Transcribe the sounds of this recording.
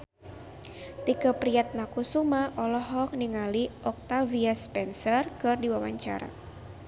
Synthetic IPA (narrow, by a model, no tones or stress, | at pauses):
t̪ikəpɾiat̪̚nakusumaʔɔlɔɦɔk̚niŋaliʔɔk̚t̪aviaspɛnsərkɨrdiwawa̰ɲt͡ʃa̰ɾa̰